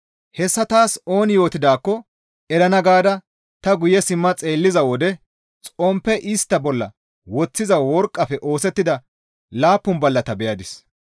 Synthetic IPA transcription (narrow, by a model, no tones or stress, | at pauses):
hɛsːɐt̪aːso̞ːnjo̞ːt̪ɪd̪aːkːɔ | ɛɾɐnɐɡaːd̪ɐ | t̪ɐɡʊjɛsɪmːɐt͡sʼeːlːɪzɐwɔd̪ɛ | t͡sʼɔmpːɛʔɪst̪ːɐbɔlːɐ̰ | wɔt͡sːɪzɐwɔɾkʼːɐfɛʔo̞ːsɛt̪ːɪd̪ɐ | laːpːʊnbɐlːɐt̪ɐbɛjɐd̪ɪs